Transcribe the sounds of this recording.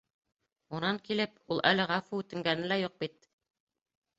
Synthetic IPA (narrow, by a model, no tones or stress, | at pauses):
unɑŋkilɘp̚ulˠʔæ̰lɘʁɑfuʉt̪ɘ̆ŋɡænɘ̆læjuq̚bit̪̚